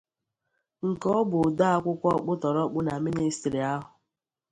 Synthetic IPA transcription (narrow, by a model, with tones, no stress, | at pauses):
ŋ̩˨kɔ˦bʊ˨da˦a˦kʷʊ˦kʷɔ˦k͡pʊ˦tɔ˨ɾɔ˦k͡pʊ˦na˨mi˦ni˦stɾi˨a˦ɦʊ˨